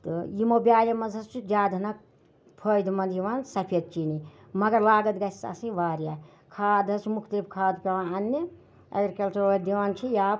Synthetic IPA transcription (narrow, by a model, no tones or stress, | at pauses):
t̪ɨjimobjaːlɐmɐzɐst͡ʃʰid͡ʒaːd̪ʱɐnɐk̚ | pʰəjd̪mɐnd̪ʱjiʋaːnsɐpʰet̪̚t͡ʃini | mɐɡɐɾlaːɡɐt̪ɡɐsa̰sĩʋaːɾja | kʰaːd̪ɐst͡ʃʰmukʰt̪ib̚kʰaːd̪peʋanɐnːi | ɐ̰ɡɾkelt͡ʃʰɐod̪iʋaːnt͡ʃʰijaːb